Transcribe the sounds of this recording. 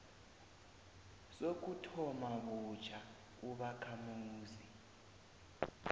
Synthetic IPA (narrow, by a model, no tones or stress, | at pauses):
sok̬utʰɔmaβut͡ʃʰa | uβakʰamuːzi